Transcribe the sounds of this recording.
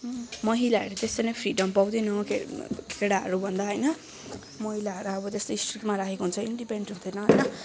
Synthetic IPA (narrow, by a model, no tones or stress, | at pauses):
mʌɦilaɦʌ̰ɾut̪est̪ʌnʌpʰɾiɖʌmpaw̃d̪enʌkekʰeɽaɦʌ̰ɾubʱʌnd̪aɦʌjnʌ | mʌɦilaɦʌɾuʌbʌt̪est̪oisʈrikmaɾakʰekoɦunt͡sʰʌinɖipeɳɖunt̪ʰʌnʌɦʌjnʌ